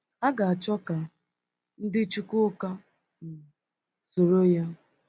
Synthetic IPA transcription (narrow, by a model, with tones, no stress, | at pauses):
a˦ɡa˨a˨t͡ʃɔ˦ka˨ | n̩˦dɪ˦t͡ʃu˦kʊ˦ka˦ | n̩˨ | so˨ɾo˦ja˦